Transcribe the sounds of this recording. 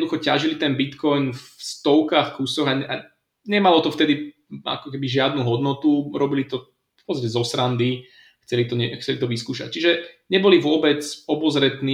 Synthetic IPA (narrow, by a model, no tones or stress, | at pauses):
d̪uxɔcaʒilit̪ɛnbit̪kɔjnfst̪ɔʊkaːxkusɔɣaa̰ | ɲɛmalɔt̪ɔft̪ɛd̪i | a̰kɔkɛbiʒɪad̪nuɦɔd̪nɔt̪uɾɔbilit̪ɔ | pɔpɔt͡sːacɛzɔsɾand̪i | xt͡sɛlit̪ɔɲɛxt͡sɛlit̪ɔʋiskuːʃa̰c̚t͡ʃiʒɛɲɛbɔliʋʊɔbɛt͡sɔbɔzɾɛt̪niː